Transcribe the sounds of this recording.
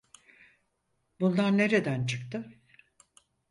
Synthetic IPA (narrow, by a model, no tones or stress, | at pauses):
bund̪anne̞ɾe̞d̪ænt͡ʃʰɯk̚t̪ʰɯ